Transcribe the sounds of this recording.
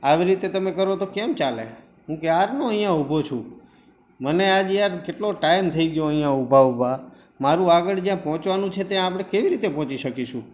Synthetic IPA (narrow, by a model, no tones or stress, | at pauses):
aʋiɾit̪et̪əmekəɾot̪okɛmt͡ʃalḛ | ɦũkjaɾnoəɦĩjãubʱot͡ʃʰṵ̃ | mənead͡ʒjaɾkeʈloʈaimt̪ʰəiɡjoəɦĩjãubʱaubʱa | maɾũaɡəɭd͡ʒjãpɔɦɔ̃t͡ʃʋanũt͡ʃʰet̪eãːpɽ̃ekeʋiɾit̪epɔ̃ɦɔ̃t͡ʃiʃəkiʃũ